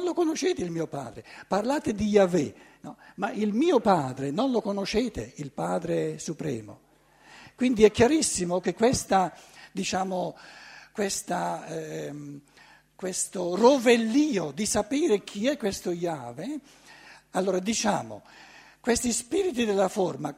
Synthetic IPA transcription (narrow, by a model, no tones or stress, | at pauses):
nlokonoʃeːt̪eilmiːopa̰ːd̪ɾeparlaːt̪ed̪ijavenɔmaʔilmiːopaːd̪ɾenonlokonoʃeːt̪eilpaːd̪ɾesupɾɛ̰ːmo̰ | kwind̪iɛkːjaɾisːimok̟ekːwest̪ad̪it͡ʃaːmokwest̪a | kwest̪orovelːiːod̪isapiːɾekʰiɛkːwest̪ojaːve | alːoːɾad̪it͡ʃaːmo̰ | kwest̪ispiːɾit̪id̪elːaforma